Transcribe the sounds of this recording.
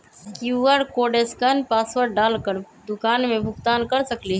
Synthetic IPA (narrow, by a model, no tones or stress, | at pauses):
kjuʋəɾkoɖeskənpaswəɾɖalkəɾ | d̪ukanmebʱukt̪ankəɾsəkliɦɛ